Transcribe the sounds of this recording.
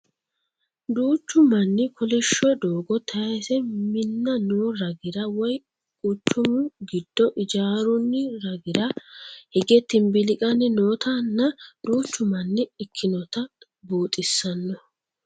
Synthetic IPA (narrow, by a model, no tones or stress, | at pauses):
d̪uːt͡ʃːʊmɐnːɪkʰɔlɪʃːɔd̪oːɡɔt̪ʰɐjɐsɛmɪnːɐnoːɾɐɡɪɾɐwɔj | kʼʊt͡ʃːʊmʊɡɪd̪̥ːɔʔɪd͡ʒaːɾʊnːɪɾɐɡɪɾɐhɪɡɛt̪ːɪnbɪlɪkʼɐnːɪnoːt̪ʰanːɐd̪uːt͡ʃːʊmɐnːɪɪkʰːɪnɔt̪ɐ | buːt̪ʼɪsːɐnːɔ